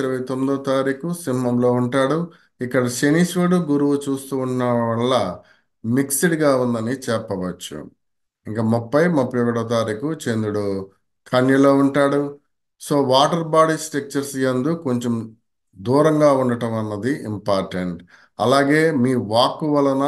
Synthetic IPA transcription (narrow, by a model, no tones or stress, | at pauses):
iɾɐʋɐjt̪omːid̪ɐt̪aːɾiːkusinimɐmlo̞ːuɳʈaːɽu | ikːɐɽɐʃeniːsʋeɽuɡuɾuʋut͡ʃuːst̪uːnːɐʋɐɭːɐ | miksiɽɡaːund̪ɐnit͡ʃɛpːɐʋɐt͡ʃːṵ | iŋkɐmɔpːɐjmupːjɐʋiɽɐt̪aːɾiːkut͡ʃe̞nd̪uɽu | kʰɐnjɐlo̞ːuɳʈaːɽu | so̞ːʋaːʈɐɾbaːɽisʈek̚t͡ʃɐɾsijɐnd̪uko̞ɲt͡ʃem | d̪uːɾɐŋɡaːuɳɖɐʈɐmɐnːɐd̪iʔimpaːɾʈeɳʈ | ɐlaːɡe̞ːmiːʋaːkːuʋɐlɐnɐ